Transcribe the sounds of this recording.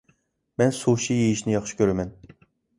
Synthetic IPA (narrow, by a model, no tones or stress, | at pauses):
mɛnsuʃijejiʃnɪjɑχʃi̥kʲøɾɛmɛn